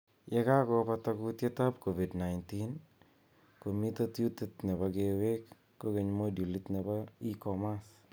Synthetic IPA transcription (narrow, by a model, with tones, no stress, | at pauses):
jɛ˦ka˦kɔ˦pa˧t̪a˦ku˦tje˦ta˦pko˨vi˨dna˨jnti˦n | ko˨mi˦t̪a˦tju˦t̪e˦t̪nɛ˨ba˨ɡe˨we˦kː | o˦ke˨ɲmo˦dju˨li˦t̪ne˨ba˦i˦kɔ˨ma˦s